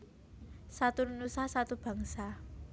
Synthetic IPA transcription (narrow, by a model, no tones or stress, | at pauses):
sat̪ununusahsat̪ub̥a̤ŋsa